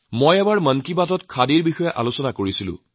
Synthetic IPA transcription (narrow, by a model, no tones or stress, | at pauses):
mojɛbaɹmənkibatɔtkʰadiɹbixɔjɛʔalusɔnakoɹisilʊ̰̃